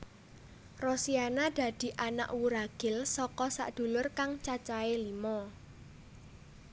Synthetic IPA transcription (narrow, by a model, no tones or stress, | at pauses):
rɔsianad̪̥ä̤d̪̥i̤ʔana̰ʔwuɾaɡ̥ɪ̤lsɔkɔsa̰ʔd̪̥ṳlʊrkaŋt͡ʃat͡ʃaelimɔ